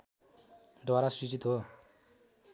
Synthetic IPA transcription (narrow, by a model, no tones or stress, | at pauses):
d̪waɾasit͡sit̪ɦo